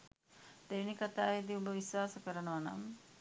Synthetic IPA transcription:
d̪̥enikat̪aːjed̪iuluʋisʋaːsəkəɾənəʋana̰m

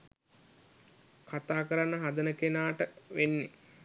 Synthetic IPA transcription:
kʰat̪aːkəɾanːəɦad̪ənəkenaːʈəʋenːe

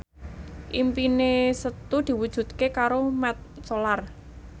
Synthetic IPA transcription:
ʔimpinesət̪ud̪̥i̤wud̥ʒ̥ṳt̪̚kekaɾomɛt̪̚solar

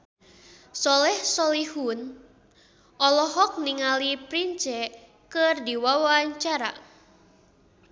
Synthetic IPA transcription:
sɔlɛhsɔlihun | ʔɔlɔɦɔk̚niŋalipɾiɲt͡ʃɛ | kɨrdiwawaɲt͡ʃaɾa̰

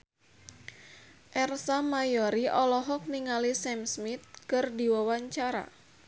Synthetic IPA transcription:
ʔɛrsamajɔɾiʔɔlɔɦɔk̚niŋalisɛmsmit̪̚kɨrdiwawaɲt͡ʃaɾa̰

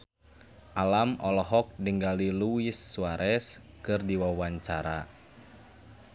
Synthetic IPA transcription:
ʔalamɔlɔɦɔk̚dəŋɡaliluisːuaɾʔɛs | kɨrdiwawaɲt͡ʃaɾa̰

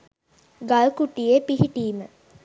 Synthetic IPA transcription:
ɡalkuʈijepiɦiʈiːmə

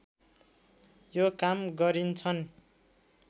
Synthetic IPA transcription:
jokamɡʌɾint͡sʰʌn

